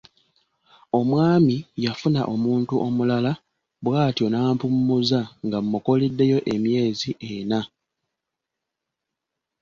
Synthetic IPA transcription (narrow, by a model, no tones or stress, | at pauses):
o̞mwaːmijafuna̰ʔo̞muːntuʔo̞mulala | βwaːtjo̞naːmpumːuzaŋɡamːuko̞lidːe̞jo̞ʔe̞mje̞ːziʔena